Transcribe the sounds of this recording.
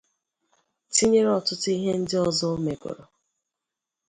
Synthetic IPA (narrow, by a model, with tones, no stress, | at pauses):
ti˦ɲe˦ɾɔ˨tʊ˦tʊ˦i˦ɦe˦n̩˦dɪ˦ɔ˦zɔ˦o˦me˨ɡo̰˨ɾo˨